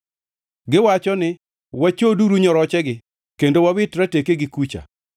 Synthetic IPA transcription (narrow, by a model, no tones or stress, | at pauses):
ɡɪwat͡ʃɔnɪ | wat͡ʃoduɾuɲɔɾɔt͡ʃɛɡɪ | kendowawɪtɾatekeɡɪkut͡ʃa̰